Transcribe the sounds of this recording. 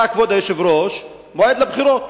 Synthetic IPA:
akvɔd̪ajɛʃɪvɾɔʃ | mɔɛd̪lˠəbχiɾɔt̪̚

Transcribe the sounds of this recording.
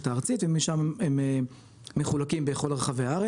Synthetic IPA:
t̪aːʁt͡sit̪vemiʃamemeː | eχulakimbeχo̞laʁeχaveaaʁe

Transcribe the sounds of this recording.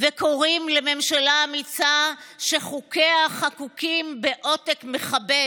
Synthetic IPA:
veko̞ʁimleme̞mʃalaːmit͡saʃeχukeaχakukimbeʔo̞tekmeχabe

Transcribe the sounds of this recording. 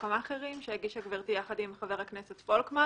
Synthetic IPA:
komaχeʁimʃejeɡiʃhaɡviʁt̪ijaχad̪imχaveʁhaknesetfolkma

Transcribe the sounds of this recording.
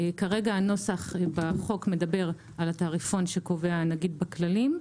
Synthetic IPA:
kaʁe̞ɡaːno̞saχbaχo̞kme̞d̪abe̞ʁ | alat̪aːʁifo̞nʃe̞ko̞ve̞anaɡid̪baklalim

